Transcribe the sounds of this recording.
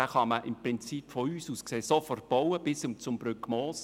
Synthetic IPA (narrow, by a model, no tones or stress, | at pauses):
ɛχɑməʔɪmprɪnt͡sipfɔyːsuːskseːsɔfɔrt̚b̥ɔwəb̥ɪsʊmt͡sʊmb̥ɾʏkmoːs